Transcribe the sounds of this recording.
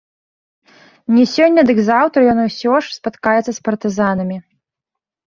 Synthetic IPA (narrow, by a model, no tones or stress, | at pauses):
nʲɛsʲɔnʲːɐd̪ɨɡzawt̪ɾjɔnɨwsʲɔʂspat̪kajɛt̪sɐspɐrt̪ɨzanɐmʲi